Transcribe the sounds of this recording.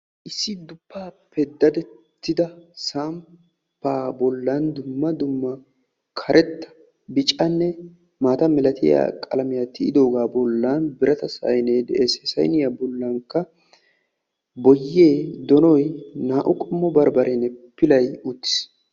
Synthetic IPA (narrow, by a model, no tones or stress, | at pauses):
ʔɪsːɪd̪ʊpːaːpɛd̪ːɐd̪ɛt̪ːɪd̪ɐsaːm | pːaːbɔlːɐnd̪ʊmːɐd̪ʊmːɐ | kʰɐɾʔɛt̪ːɐ̥ | bɪt͡ʃʼɐnːɛ | maːt̪ɐmɪlɐt̪ʰɪ̰ja̰kʼɐ̰lɐmɪjat̪ːɪɪ̰d̪o̞ːɡaːbɔlːanbɪɾɐt̪ɐsɐ̰jneːesɛsɐ̰jnɪjabɔlːɐŋkːɐ | bɔjːeːd̪ɔnɔjnaːʔʊkʼɔmːɔbɐɾbɐɾʔenɛpːɪlɐjʊt̪ːɪ̥s